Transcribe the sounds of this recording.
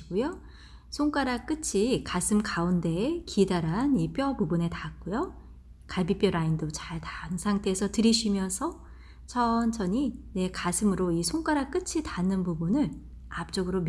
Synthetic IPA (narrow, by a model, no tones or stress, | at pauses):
ɡujo | sʰoŋk͈waɾak͈ɯt͡ɕʰikasʰɯmkaunde̞ːkʰidaɾanip͈jʌbubune̞tak͈ojo | kaɭbip͈jʌɾaindot͡ɕaɭtaŋsʰaŋtʰe̞ːsʰʌtɯɾiɕʰimjʌnsʰʌ | t͡ɕʰʌnt͡ɕʰʌɲine̞kasʰɯmɯɾoisʰoŋk͈aɾak͈ɯt͡ɕʰitanɯnpubunɯɭ | ap̚t͡ɕ͈oɡɯɾom